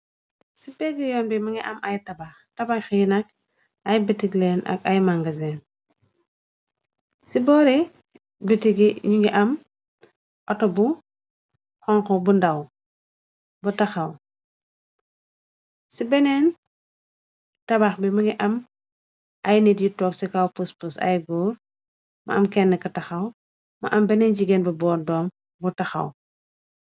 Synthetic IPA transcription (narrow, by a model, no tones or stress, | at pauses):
sibeɡijɔːnbimiŋiʔamajtabaxtabaxjinak̚ | ajbitiɡlena̰kajmaŋɡazen | sibɔɾi | bitiɡiɲiŋɡiʔam | ʔɔtɔbu | xɔŋkobundaw | butɐxɐw | sibɛnɛːn | tɐbaxbimuŋɡiʔɐm | ʔɐjnitjitɔːksikawpuspusɐ̰jɡuːr | mɐ̰ɐmkɛnːɛkɐtɐxɐw | mɐ̰ʔɐmbɛnɛːnd͡ʒiɡɛnbɐbɔːɾdɔːm | butɐxɐ̰w